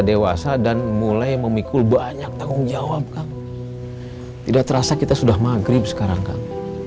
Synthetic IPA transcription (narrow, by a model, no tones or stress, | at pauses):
dewasadanmulajməmikʊlbaɲak̚t̪aŋʊŋd͡ʒawap̚kaŋ | t̪idak̚t̪əɾasakit̪asudahmaɡɾɪp̚sə̥kaɾaŋka̰ŋ